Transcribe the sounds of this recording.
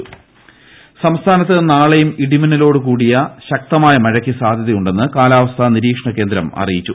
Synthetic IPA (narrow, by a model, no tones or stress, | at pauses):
sɐmst̪ʰaːnɐt̪ːɨnaːɭejumiɽimɐnɐlo̞ːɽɨkuːɽijɐɕɐk̚t̪ɐmaːjɐmɐɻɐkʲːisaːd̪ʱjɐðijuɳɖe̞nːɨkaːlaːʋɐst̪ʰɐniɾiːkʂɳɐkːe̞ːnd̪ɾɐmɐ̰rijit͡ɕːu